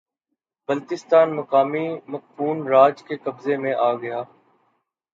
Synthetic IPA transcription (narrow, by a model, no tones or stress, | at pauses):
bɐlt̪ɪst̪aːnmɐkaːmimɐk̚fuːnɾaːd͡ʒkekɐbzemẽʔaːɡɐjaː